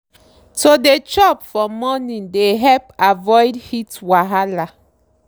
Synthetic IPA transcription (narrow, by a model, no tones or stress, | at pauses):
todet͡ʃɔpfɔmɔnĩndeɦɛlpavɔjdhitwaɦala